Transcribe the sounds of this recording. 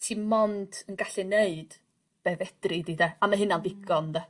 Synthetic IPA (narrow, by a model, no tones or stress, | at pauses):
tʰimɔndənɡaɬɛneɨd̥ | b̥ɛvɛd̥rɪdidɛamaɦɪnanðɪɡɔndɛ